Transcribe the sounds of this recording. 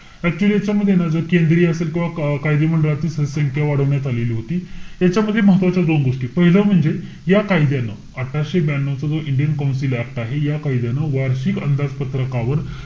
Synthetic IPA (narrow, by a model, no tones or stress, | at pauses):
ɛk̚t͡ɕuəlijat͡ɕjaməd̪ʱːjenad͡zəkend̪ɾiːəselkʲĩw̃ʋakajd̪im̤əɳɖəlat̪iːsəsəŋkʰjaʋaɽ̤əʋɳjat̪aleliːɦot̪iːjat͡ɕjaməd̪ʱːjeməɦət̪ʋat͡ɕjad̪onɡoʂʈiːpəɦiləːm̤əɳd͡ze | jakajd̪janə̰ | əʈʰaɕebænːot͡səd͡zoʔiɳɖijənkaw̃nsilak̚ʈ̪aɦejakajd̪janəʋaɾɕiːkə̰nd̪ad͡zpət̪ɾəkãʋəɾ